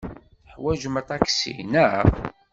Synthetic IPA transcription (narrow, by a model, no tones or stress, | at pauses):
ħwæʒmət̪ˤɑksḭnə